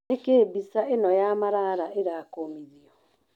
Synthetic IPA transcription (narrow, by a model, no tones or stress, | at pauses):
ekeːbisaenɔjamaɾaɾaʔeɾaːkomiðiɔ